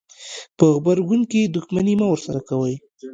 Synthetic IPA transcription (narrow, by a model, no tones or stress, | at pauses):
pəɣbaɾɡunked̪uxmanimawəɾsaɾakawəj